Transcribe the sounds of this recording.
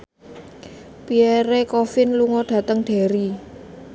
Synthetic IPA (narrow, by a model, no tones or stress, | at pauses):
pieɾekɔfɪnluŋɔɖ̥ä̤t̪əŋɖ̥e̤ɾi